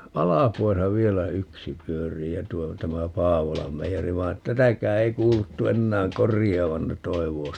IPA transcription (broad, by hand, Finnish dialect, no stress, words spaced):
ɑlɑpuɑsɑ ʋielæ yksi pyøriː jɑ tuo tæmæ pɑːʋolɑm meijeri ʋɑi̯ et tætækæː ei kuːlutːu enːæːŋ korijˑɑːʋɑn ne toiʋˑoː